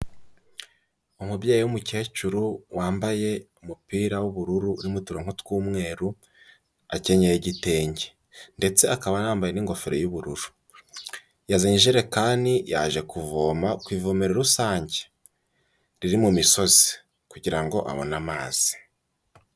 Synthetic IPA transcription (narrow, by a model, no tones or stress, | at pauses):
umubjaːjiwumuce̞ːt͡ʃuɾuwaːmbaje̞umupiːɾawuβuɾuɾuɾimutuɾoŋ̥hutkuːmŋe̞ːɾu | ace̞ɲejeɟite̞ːɲɟe̥ | nde̞t͡se̞akaβanaːmbajeniŋɡo̞feɾe̞juβuɾuɾu̥ | jazaɲiʒiɾe̞kaːnija̰ːʒe̞kuvoːmakwiːvoːmeɾeɾusaːɲɟe̥ | ɾiɾimumiso̞zi̥ | kuɟiɾaŋɡo̞ʔa̰βo̞̰namaːz̥i̥